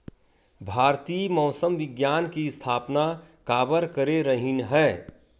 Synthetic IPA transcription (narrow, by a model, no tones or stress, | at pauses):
bʱaːɾt̪iːmɔʊsəmʋɪɡjaːnkiɪst̪ʰaːpnakaːbəɾkəɾeɾəɦinɦɛː